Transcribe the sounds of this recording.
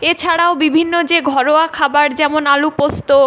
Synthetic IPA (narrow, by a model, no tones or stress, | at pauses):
et͡ɕʰaɽaobibʱinːod͡ʑeɡʱɔɾoakʰabaɾd͡ʑɛmonalupost̪o